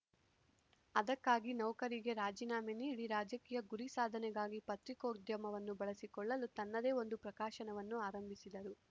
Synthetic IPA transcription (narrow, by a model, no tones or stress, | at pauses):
ɐd̪ɐkːaːɡinɐwkɐɾiɡe̞ɾaːd͡ʒiːnaːminiːɽiɾaːd͡ʒɐkiːjɐɡuɾisaːd̪ʱɐnɛɡaːɡipɐt̪ɾikɐud̪ʱjɐmɐʋɐnːubɐɭɐsikɔɭːɐlut̪ɐnːɐd̪e̞ːo̞nd̪upɾɐkaːʃɐnɐʋɐnːuaːɾɐmbʱisid̪ɐɾu